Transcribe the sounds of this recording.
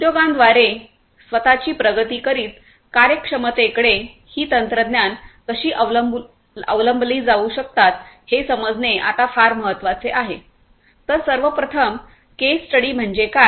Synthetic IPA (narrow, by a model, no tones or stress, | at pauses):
ud̪joɡãnd̪ʋaɾe | sʋət̪at͡ɕiːpɾəɡət̪iːkəɾiːt̪ | kaɾjəkʂəmət̪ekɽe | hiːt̪ənt̪ɾəd̪njankəɕiːʔ | ə̰ʋləmbliːd͡zauɕək̚t̪at̪hesəməd͡zneʔa̰t̪afaɾməɦət̪ːʋat͡seʔaɦe | t̪əɾsəɾʋəpɾət̪ʰəm | kesːʈəɽiːm̤əɳd͡ʑeka